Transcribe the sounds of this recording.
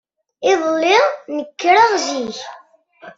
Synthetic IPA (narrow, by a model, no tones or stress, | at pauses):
ɪðˤlːɪʁnəkːɾaʁziç